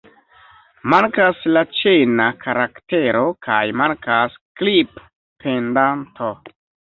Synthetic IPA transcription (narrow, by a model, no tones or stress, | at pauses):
maŋkaslat͡ʃenakʰaɾakteɾokʰajmaŋkasklip | pendantʰo